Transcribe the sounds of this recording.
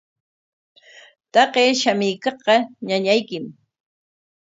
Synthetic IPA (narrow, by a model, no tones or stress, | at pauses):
t̪ɑqeːʃamɪjkɑχqɑɲaɲajkɪm